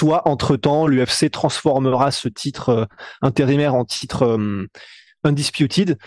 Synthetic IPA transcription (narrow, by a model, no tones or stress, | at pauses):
swaʔɑ̃t̪χət̪ɑ̃lyɛfset̪χɑ̃sfɔʁməʁasət̪ʰit̪χøɛ̃t̪eʁinɛʁɑ̃t̪ʰi̥t̪χøm | ɛ̃d̪ispjut̪ʰid̪